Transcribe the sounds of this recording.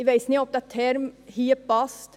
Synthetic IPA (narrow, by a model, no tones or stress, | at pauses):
iʋeɪsniɔp̚d̪ɑt̪ʰːɛɾmhiːəp̚bɑst̪